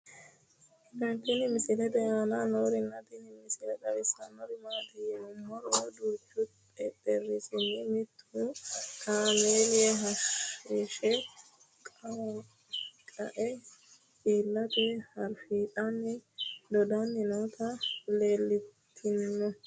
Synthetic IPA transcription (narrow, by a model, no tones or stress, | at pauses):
kɐnt̪ːɪnɪmɪsɪlɛt̪ɛjaːnanoːɾɪnːɐt̪ɪnɪmɪsɪlɛt̪ɐwɪsɐnɔɾɪmaːt̪ɪmʊmhɔɾɔd̪uːt͡ʃːʊt̪ʼɛt̪ʼːɛrːɪsɪnːɪmɪt̪ːʊukʰaːmeːlɪjɛɦɐʃɾiʃɛ | kʼ | kʼɐʔɛ | iːlːɐt̪ɛhɐɾfiːt̪ʼɐnːɪd̪ɔd̪ɐanːɪnot̪ʰɐle̞ːlːɪtt̪ʰːɪnːɔ